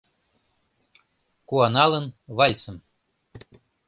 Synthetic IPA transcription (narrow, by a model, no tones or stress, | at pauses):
kuɑnɑlə̆nvɑlʲsə̆m